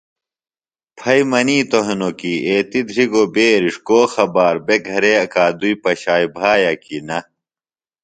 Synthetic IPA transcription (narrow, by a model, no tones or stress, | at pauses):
pʰɐjmɐniːt̪oɦenokieːt̪id̪ʱɾiɡobeːɾiʂkoːxɐbaːɾbeɡʱɐɾeɐkaːd̪uipɐɕaːjbʱaːjɐkinɐ